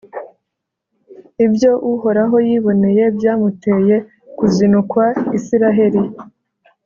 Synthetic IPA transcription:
ibjo̞ʔuho̞ɾaɦo̞jiːβo̞ne̞je̞bjaːmute̞je̞ | kuzinukwaisiɾaɦe̞ɾi

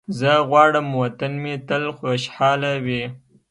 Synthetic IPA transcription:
zəɣwɑːɽəmwat̪anmet̪əlxoʃħɑːlawe

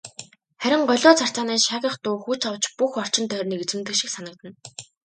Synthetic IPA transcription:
χæɾʲɪ̆ŋɢɔɮʲʊːt͡sʰar̥t͡saːniːʃaːɣʲə̆χt̪ʊːxuːt͡ɕawt͡ɕpuxɔr̥t͡ɕɪ̆nt̪ʰœːrʲniːket͡sɘ̆mt̪̬ɘ̆kʃĭksanə̆k̚t̪ə̆n

